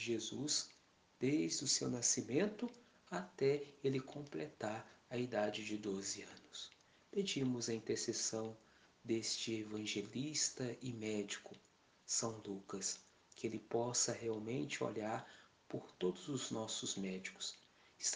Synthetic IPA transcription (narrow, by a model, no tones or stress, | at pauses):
ʒezus | d̪̥ejzd̪ʊsewnasimẽnt̪ʊ | at̪ɛelɪkʰõplet̪aɾɐid̪ad͡ʒɪd͡ʒɪd̪ozɪɐ̃nʊs | ped͡ʒĩmʊzɐĩnt̪eɾsesɐ̃w̃ | d̪est͡ʃɪevɐ̃ʒelist̪ɐʔɪmɛd͡ʒikʊ | sɐ̃w̃lukɐs | kɪelɪpɔsɐheawmẽnt͡ʃɪo̰ʎaɾ | poɾt̪od̪ʊzʊznɔsʊzmɛd͡ʒikʊ̥s | ɪs